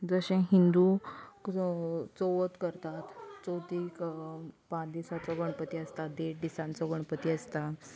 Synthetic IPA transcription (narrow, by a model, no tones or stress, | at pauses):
d͡zəɕẽɦind̪u | t͡soʋət̪kəɾt̪at̪t͡sot̪iːkpãd̪isat͡sɔɡəɳ̃pət̪iəst̪ad̪eʈd̪isãnt͡sɔɡəɳpət̪iəst̪a